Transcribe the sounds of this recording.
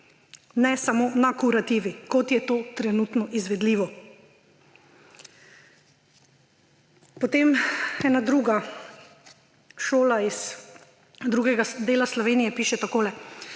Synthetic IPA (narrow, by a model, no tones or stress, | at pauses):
nɛsamoːnakuɾat̪iːʋikɔt̪jɛt̪oːt̪ɾɛnut̪nɔʔizʋɛd̪liːʋɔ | pɔt̪emɛːnad̪ɾuːɡa | ʃoːlais | d̪ɾuːɡɛɡad̪eːlaslɔʋeːnijɛpiːʃɛt̪akoːlɛ